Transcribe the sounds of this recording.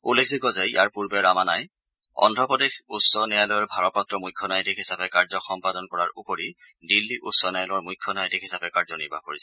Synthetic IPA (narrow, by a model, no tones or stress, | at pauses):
ulekʰzikɔzɛḭjʔaɹpuɹbɛɹamanaj | ɔ̰ndʱɹɔpɔdexutsɔnɛjalɔɔɹbʱaɹɔt̚pɔtɹɔmujkʰːɔnajtikhisapɛkaɹzɔxɔmpadɔnkɔɹaɹʔupoɹi | dilːiʔutsɔnɛjalɔɹmujkʰːɔnajɔtikhisapɛkaɹzɔnḭɹbʱa̰koɹisɛ